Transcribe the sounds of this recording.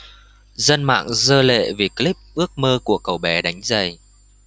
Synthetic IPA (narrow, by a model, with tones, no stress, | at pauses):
zə˧nma̰ː˧˨ŋzəː˧lḛ˧˨vi˨˩kli˦˥p̚ʔɨ˦˥ək̚məː˧ku˧˩əkə˨˩wɓɛ˨˧˦ɗa˨˦jŋ̟zə˨˩j